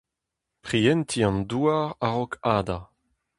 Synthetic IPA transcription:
pχiɛnt̪ʰiɑ̃nduaʁaʁɔkʰaːd̪a

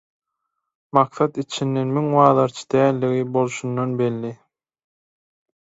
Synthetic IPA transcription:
mɑq̚θɑt̪it͡ʃʰinːenmyŋwɑːðɑɾt͡ʃʰɯ̥d̪̥æːlːiɣibo̞lˠʃunːonbe̞lːi

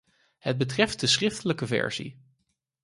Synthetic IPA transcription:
ɦəd̚bətrɛft̚dəsrɪftələkəvɛ̰ɹzḭ

